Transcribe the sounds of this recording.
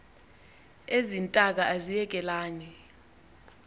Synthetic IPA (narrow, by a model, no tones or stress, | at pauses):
ezintʼak̬aʔazijɛk̬ʼɛlaːni